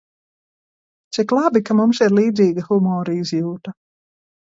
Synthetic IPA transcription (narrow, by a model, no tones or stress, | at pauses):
t̪sʲiklˠabikamumsiɾliːd̪ziːɡaxumɔːɾiizjuːt̪a